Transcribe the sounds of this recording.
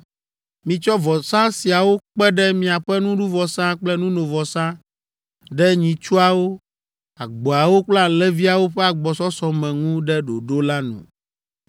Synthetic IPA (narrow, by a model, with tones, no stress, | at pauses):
mĩ˨t͡ʃɔ˦vɔ˨sã˦si˨a˨wo˦k͡pɛ˦ɖɛ˦mĩ˦a˨ɸɛ˦nũ˦ɖu˦vɔ˨sã˦k͡plɛ˦nũ˦nõ˨vɔ˨sã˦ | ɖɛ˦ɲĩ˨t͡ʃu˦a˨wo˦ | a˨ɡ͡bɔ˨a˨wo˦k͡plã˦lɛ˦vi˦a˨wo˦ɸɛ˦a˨ɡ͡bɔ˨sɔ˦sɔ̃˨mɛ̃˨ŋũ˦ɖɛ˦ɖo˨ɖo˦la˦nṵ̃˨